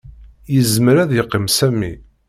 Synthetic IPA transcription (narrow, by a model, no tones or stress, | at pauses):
jəzməɾæðjəqːəmsæmːi